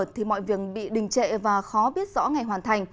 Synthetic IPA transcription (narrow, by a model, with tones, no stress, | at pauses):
t̚t̪ʰi˨˩mɔ̰˧˨jvi˨˩ək̚ɓḭ˧˨ɗï˨˩ŋ̟t͡ɕḛ˧˨vaː˨˩xɔ˨˦ɓi˦˥ət̚zɔ̰˧˥ŋa˨˩jɦwaː˨˩nt̪ʰa˨˩jŋ̟